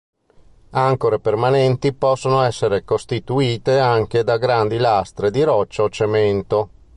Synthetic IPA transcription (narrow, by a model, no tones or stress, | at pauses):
aŋkoɾepermanɛnt̪ipɔsːonoɛsːeɾekost̪it̪uiːt̪eaŋk̟ed̪aɡɾand̪ilast̪ɾed̪iɾɔt͡ʃːaot͡ʃement̪o